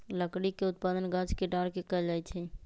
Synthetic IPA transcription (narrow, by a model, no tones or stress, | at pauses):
ləkɽikeʊt̪̚paːd̪ənɡaːd͡ʒkeɖaːɾkekəd͡ʒaːet͡ʃʰeː